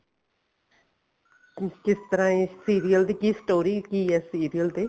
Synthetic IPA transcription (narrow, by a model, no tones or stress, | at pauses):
kɪst̪əɾãːesiːɾiːəld̪iːkiːsʈoːɾiːkiːɛːsiːɾiəld̪eː